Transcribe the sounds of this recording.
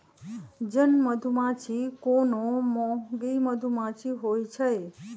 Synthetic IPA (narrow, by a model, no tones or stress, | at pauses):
d͡ʒənməd̪ʱumãt͡ʃʰikonomoɡiməd̪ʱumãt͡ʃʰiɦojt͡ʃʰəe